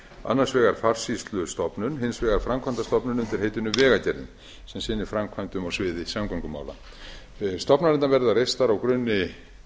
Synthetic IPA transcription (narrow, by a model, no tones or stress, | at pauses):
a̰nːarsvɛːɣaɾ̥far̥sist̪lʏst̪ɔpnʏnhɪnsvɛːɣaɾ̥fɾamkʰvajnt̪ast̪ɔpnʏnʏnt̪ɪɾ̥heːjt̪ʏnʏvɛːɣacɛɾðɪ̰n | sɛmsɪnːɪfɾamkʰvant̪ʏmawsvɪːðɪsamkaŋkʏma̰wla̰ | st̪ɔpnaɾɛnt̪anvɛɾðarejst̪aɾawkɾʏnːɪ